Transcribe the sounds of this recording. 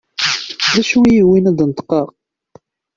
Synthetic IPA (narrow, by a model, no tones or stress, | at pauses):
ðæʃujiwinæd̪ˤnt̪ə̥qːɑʁ